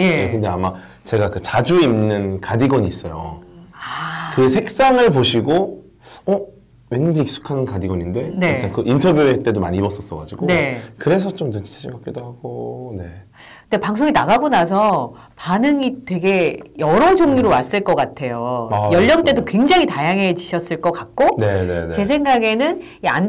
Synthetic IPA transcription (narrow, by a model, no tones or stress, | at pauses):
je̞ekkɯnde̞ama | t͡ɕe̞ɡakɯt͡ɕad͡ʑuimnɯnkadiɡʌɲiːs͈ʌjo̰akɯɡsʰe̞k̚s͈aŋɯɭpoɕʰiɡo | ʌ | we̞nɯd͡ʑiik̚s͈ʰu̥kʰanɯnkadiɡʌɲinde̞neankɯʔintʰʌbjuet͈e̞doma̰ɲibʌs͈ʌs͈ʌɡa̰d͡ʑiɡone̞kɯɾe̞s̬ʰʌt͡ɕomdɯt͡ɕʰi̥t͡ɕʰaɕʰikʰap̚k͈edoɦaɡ̥one̞ | ɯndepaŋs̬ʰoŋinaɡaɡonasʰʌ | panɯŋitwe̞ɡe̞jʌɾʌd͡ʑoŋɲuɾowas͈ɯɭk͈ʌk͈atʰe̞jojʌʎːʌŋt͈e̞dokwe̞ŋd͡ʑaŋitajaŋɦe̞t͡ɕiɕʰʌs͈ɯɭk͈ʌk͈ak̚k͈one̞ne̞̰net͡ɕe̞sʰe̞ŋɡaɡe̞nɯn | ia̰n